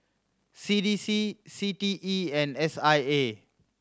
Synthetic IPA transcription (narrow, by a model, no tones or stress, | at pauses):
sidisisitiʔiɛ̃nɛsaje